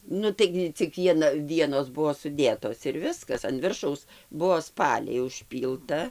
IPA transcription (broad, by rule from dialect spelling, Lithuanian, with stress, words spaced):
ˈnʊ ˈtɐɪɡʲɪ t͡sʲɪk ˈʋʲiɛnɐ ˈʋʲiɛnoːs ˈbuɔ sʊˈdʲeːtoːs ɪr ˈʋʲɪskɐs ɐn ˈʋʲɪrʃɐʊs ˈbuɔ ˈspɑːlʲɛɪ ʊʃʲˈpʲiːlˠtɐ